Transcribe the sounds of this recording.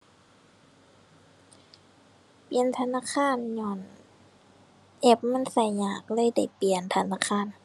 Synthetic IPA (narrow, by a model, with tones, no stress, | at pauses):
pli˨ənt̪ʰa˧naː˧˥˨kʰaː˧˥˨nɲɔː˧˩n | ʔe˧˦˩p̚ma˧˥˨nsa˧˩jɲaː˧˩k̚lɤː˧˥˨jda˧˩jpi˨˩ənt̪ʰa˧naː˧˨kʰaː˧˥˨n